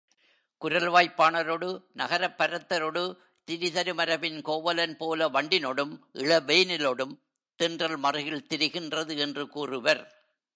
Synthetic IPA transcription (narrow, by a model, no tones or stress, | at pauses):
kʊɾɐlʋaːjpːaːɳɐɾoːɽɯnɐɣɐɾɐpːɐɾɐt̪ːɐɾoːɽɯ | t̪ɪɾɪðɐɾɯmɐɾɐbɪnkoːʋɐlɐnpoːlɐʋɐɳɖɪnɔɽɯmʔɪɭɐʋeːnɪloːɽɯm | t̪ɪndrɐlmɐrɯɣɪlt̪ɪɾɯɣɪndrɐðɯɛndrɯkuːrɯʋɐɾ